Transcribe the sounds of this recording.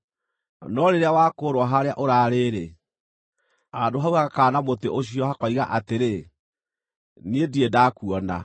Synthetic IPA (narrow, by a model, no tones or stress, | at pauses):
nɔɾeɾeawakoɾwaɦaɾeaʔoɾaːɾeɾe | adoɦauɣaɣakaːnamoteʔoɕiɔhakɔiɣa̰ʔateɾe | niediedaːkuɔna̰